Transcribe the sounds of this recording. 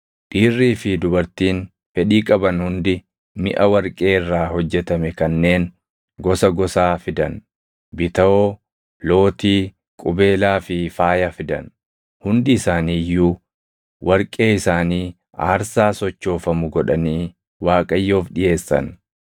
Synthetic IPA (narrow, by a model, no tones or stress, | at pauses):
ᶑiːrːiːfɪd̪ʊbɐɾt̪iːn | fɛᶑiːkʼɐbɐnhʊnd̪ɪ | mɪʔɐwɐɾkʼe̞ːɪrːaːhɔd͡ʒːɛt̪ɐmɛkɐnːe̞ːn | ɡɔsɐɡɔsaːfɪd̪ɐn | bɪt̪ɐoː | lo̞ːt̪iː | kʼʊbe̞ːlaːfɪfaːjɐfɪd̪ɐ̰n | hʊnd̪ɪːsaːniːjːuː | wʔɐɾkʼe̞ːɪsaːniː | a̰ːɾsaːsɔt͡ʃːo̞ːfɐmʊɡɔᶑɐniː | waːkʼɐjːo̞ːfᶑɪje̞ːsːɐ̰n